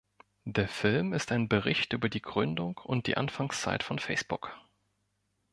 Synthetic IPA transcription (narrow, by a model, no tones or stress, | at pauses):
d̥eːɐfɪlmɪstaɪnbəʁ̞ɪçtʔy̰ːbɐdiːɡʁʏndʊŋkʊ̰nt̚d̥ḭːʔa̰nfaŋst͡sa̰ɪtfɔnfɛɪsb̥ʊk